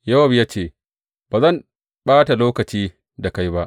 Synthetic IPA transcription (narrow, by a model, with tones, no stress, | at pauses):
jɐ˦wɐ˨bjaː˦t͡ʃeː˦˨ | b̥aː˨zɐ˦˨m | ɓaː˦ta˨loː˦kɐ˨t͡ʃiː˦ | da˨ka˦jba˦ʔ